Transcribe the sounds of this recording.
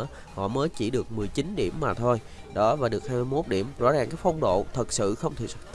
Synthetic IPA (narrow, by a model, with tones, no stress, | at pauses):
hɔ̰˧˨məː˨˦jt͡ɕi˧˩ɗɨ˨˩ək̚mɨ˨˩əjt͡ɕi˨˦nɗi˧˩əmːaː˨˩t̪ʰo˧j | ɗɔ˨˦vaː˨˩ɗɨ˨˩ək̚haː˧jmɨ˧jmo˦˥t̚ɗi˧˩əmzɔ̰˧˥zaː˨˩ŋkaː˨˦jfə˧wŋ͡mɗo̰˧˨t̪ʰə˨˩t̚sɨ̰˧˨xə˧wŋ͡mt̪ʰḭ˧˨s